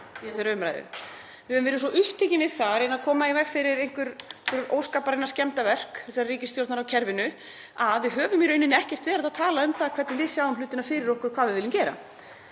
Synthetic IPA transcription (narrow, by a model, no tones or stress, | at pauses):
iθɛsaɾœːɥmɾa̰jðʏ̰ | vɪhœvʏmvɛːɾɪsɔʔʏht̪ʰːejcɪnvɪðθaɾenaðkʰɔːmaivɛxfɪɾɪɾejŋ̥kvʏɾkʏɾo̰ːwskaːpaɾɪnaɾscɛmt̪avɛr̥kθɛs̬aɾriːcɪst̪jowlt̪naɾawcʰɛɾvɪnʏ | aðvɪðɦœːvʏmjɛɾœːɥnɪnɛhcɛr̥t̪vɛːɾaðaðt̪ʰaːlaʏmkθaðkʰɛt̪nɪvɪsjaːwʏmlʏːt̪ɪnafɪɾɪɾɔhkʏɾ̥kʰv̥aːvɪðvɪlːɪmcɛːɾa̰